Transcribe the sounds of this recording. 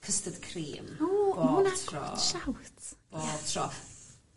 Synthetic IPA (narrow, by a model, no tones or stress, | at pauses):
kʰəstədkʰriːmɔːboːnatʰrɔ̰ʃawtb̥od̥tʰrɔ